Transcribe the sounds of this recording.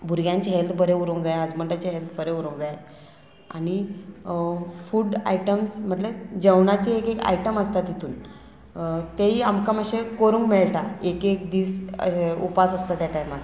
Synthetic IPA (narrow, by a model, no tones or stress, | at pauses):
bʱuɾɡjãɲt͡ɕeɦelt̪bəɾeuɾõŋɡd͡zajəd͡zməɳʈat͡ɕiɦelt̪bəɾeuɾõŋd͡zaj | a̰ɽ̃i | fuːɖa̰iʈəmsm̤əʈled͡ʑəwɳat͡ɕiekeka̰jʈəməst̪at̪it̪ʰuːn | t̪eɦiamkaməɕekoɾũːŋkmeɭʈ̪aekek̚d̪iːsupasəst̪at̪jaʈajmat̪